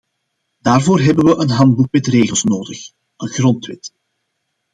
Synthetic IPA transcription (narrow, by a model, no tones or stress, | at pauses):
daːrvoːrɦɛbənʋəʔənɦɑnd̚buk̚mɛtreːɣəlˠsnoːdəx | ənɣrɔntwɪt